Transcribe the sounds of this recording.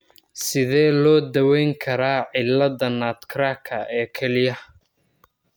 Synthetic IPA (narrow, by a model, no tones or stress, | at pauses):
sɪðɛːlɔːd̪ɐwɛjŋkʰɐɾaːʕɪlːɐðɐnaːt̪kʰɾaːkʰɐʔɛːkʰɛlɪjɐ